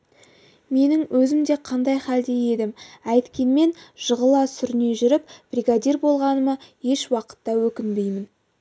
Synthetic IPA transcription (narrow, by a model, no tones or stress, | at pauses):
me̞nɪŋwʔɵzɪmd̪e̞qʰɑnd̪ɑjχɑld̪e̞je̞d̪ɪmæjt̪kʲe̞nme̞nʒ̥əʁəlˠɑsʏɾɪne̞ʒʏɾɪp̚b̥rʲiɡad̪ʲirbo̞lˠʁɑnəmɑje̞ʃwɑqə̥t̪ːɑwɵkʲɪnbe̞jmɪn